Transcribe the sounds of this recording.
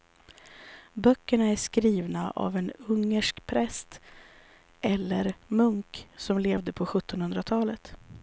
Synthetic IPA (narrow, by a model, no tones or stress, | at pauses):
bœkːəɳaæʂkɾiːvnaʔa̰vɛnɵŋːəʂkpʰɾɛst̪ | ʔɛlːəɾmɵŋksɔmleːvd̪əpʰɔɧɵt̪ːɔnhɵnd̪ɾat̪ʰɑːlət̪